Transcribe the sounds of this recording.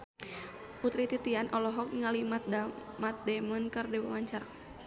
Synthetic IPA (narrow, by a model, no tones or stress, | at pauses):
put̪ɾit̪it̪ianʔɔlɔɦɔk̚ŋalimat̪̚damat̪̚dɛmɔnkɨrdiwa̰waɲt͡ʃaɾa